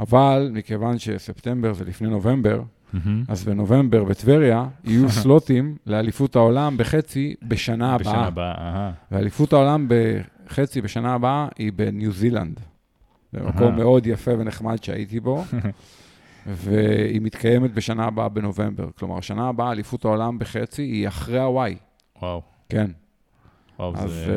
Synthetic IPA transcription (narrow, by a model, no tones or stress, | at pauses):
avalmike̞vanʃe̞sept̪e̞mbe̞ʁzelifneno̞ve̞mbe̞ʁ | azbeno̞ve̞mbe̞ʁbet̪veʁjaijuslo̞timlealifutao̞lambeχe̞t͡sibeʃanaːaʔabvealifutao̞lambe | χe̞t͡sibe̞ʃanaːbaaibe̞njuzila̰nd̪ | zḛmʔa̰ko̞mːe̞o̞d̪jafe̞veneχmad̪ʃea̰ʔit̪ibo̞ | veimit̪kajemet̪̚be̞ʃanaːbaabe̞no̞ve̞mbe̞̰ʁkloma̰ʁʃanaːbaaːlifuthao̞lambeχe̞t͡siiaχʁeawaj | waw | ken | a̰z